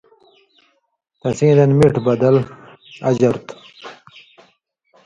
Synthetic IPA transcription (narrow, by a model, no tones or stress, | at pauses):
t̪ɐ̃sĩːd̪ɐnmiʈbɐd̪ɐl | ɐ̰d͡ʑɐɾt̪